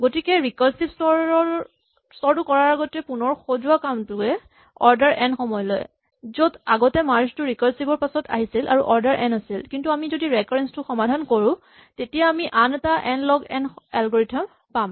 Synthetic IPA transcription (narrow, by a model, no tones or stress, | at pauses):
ɡotikɛɹikɔlsibsɔ | sɔɹtʊkɔɹaɹaɡɔtɛpunɔɹxozuwakamtʊɛ | ɔɹdaɹʔɛnxɔmɔjɔlɔ̰j | zodaɡɔtɛmaɹstʊɹikɔlsibɔɹpasɔtʰa̰ɦisilʔa̰ɹuʔɔɹdaɹʔɛnasilkintuamizodiɹɛkɔɹɛnstʊxɔmadʱankoɹũ | tetijaːmiʔanɛtaʔɛnlɔɡɛnɛlɡɔɹitʰam | pam